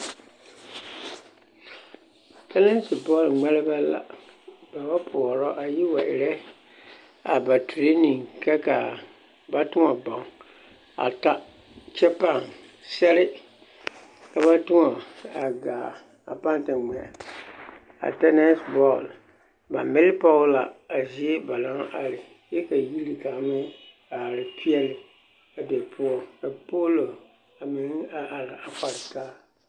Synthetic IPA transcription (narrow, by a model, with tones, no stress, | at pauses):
tʰɛ˦nɛ˦n˦si˨bɔ˦˨lŋ͡mɛ˦lɪ˦ba˦la̰˨ba˨ba˦pʰʊ˨ɔ˨ɾɔ˦ʔa˨ji˦wa˨ʔɪ̰˨ɾɛ˦ | a˨ba˨tu˨ɾe˦nĩ˨ŋkɛ˦ka˨ | ba˦tʊ˦ŋɔ˨bã˨ŋ | a̰˨ta˦ | t͡ʃɛ˦pa˦˨n | sɛ˦ɾɪ˦ | ka˦βa˦tʊ˦ŋɔ˨a˨ɡaː˨ | a̰˨pa˦n˦tɪ˨ŋ͡mɛ˨ | a̰˨tɛ˦nɛ˦sbɔ˦˨l | ba̰˨mɪ˦lɪ˦pa˦ʊ˦la̰˨a˨zi˦ɛ˦ba˨la˦ŋʔa˨lɪ˨ | jɛ˦ka˨ji˦li˨ka˨mɪ˦ | a˨a˨lɪ˨pʰi˦ɛ˦lɪ˨ | a˨bɛ˨pʰʊ˦ɔ˦ka˨po˦lo˨ | a˨mɪ˨n˦a˨ʔa˨lɪ˨a˨k͡pa˨ɾtaː˦